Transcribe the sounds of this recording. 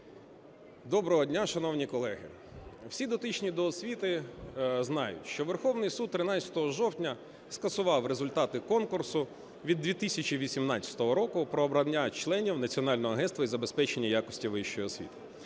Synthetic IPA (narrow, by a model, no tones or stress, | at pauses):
d̪ɔbɾɔɦɔdʲnʲaʃɐnɔwnʲikɔlˠɛɦɪ̰ | wsʲid̪ɔt̪ɪt͡ʃnʲid̪ɔːsʲʋʲit̪ɪ | znɑjʊ̰tʲʃt͡ʃɔʋerxɔwnɪjsud̪̚t̪ːɾɪnɑt͡sʲɐ̥t̪ɔɦɔʒɔwtʲnʲɐ | skɐsʊʋɑwɾezʊlʲt̪ɑt̪ɪkɔnkʊrsʊ | ʋʲid̪ːʋʲit̪isʲɐt͡ʃiʋʲisʲimnɑt͡sʲɐ̥t̪ɔɦɔɾɔkʊpɾɔːbɾɐnʲːat͡ʃlˠɛnʲiwnɐt͡sʲiɔnɑlʲnɔɦɔɐɦɛnst̪ʋɐizɐbespɛt͡ʃenʲːɐjakɔsʲtʲiʋɪʃt͡ʃɔjiɔsʲʋʲḭt̪ɪ̥